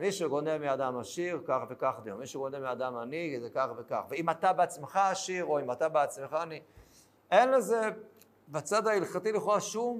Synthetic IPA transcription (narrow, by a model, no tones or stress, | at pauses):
miʃeɡo̞nelmiad̪amaʃiʁkaχve̞kaχd̪ajomiʃeɡonelmiad̪amanizekaχve̞ka̰χveimat̪abeat͡smeχaaʃiʁo̞imat̪abeat͡smeχaːni | enleze | bat͡sad̪ailχat̪iliχoʁaʃum